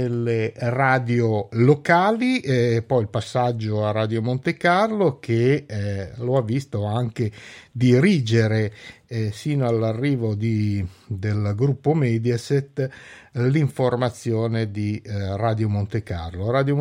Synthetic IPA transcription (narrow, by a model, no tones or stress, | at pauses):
elːeraːd̪jolokaːlipɔjilpasːad͡ʒːoarad̪jomont̪ekarlok̟ʰe | loavːist̪oaŋk̟ed̪iɾiːd͡ʒeɾe | siːnoalːarːiːvod̪id̪elɡɾupːomɛd̪jaset̪ː | liɱformat̪sːjoːned̪iraːd̪jomont̪eka̰rloɾaːd̪jo